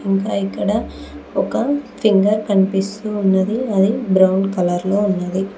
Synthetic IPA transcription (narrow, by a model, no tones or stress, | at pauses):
iŋkaːikːɐɽɐɔkɐpʰiŋɡɐɾkɐnipist̪uːnːɐd̪iɐd̪ibɾɐwɳkɐlɐɾloːunːɐd̪i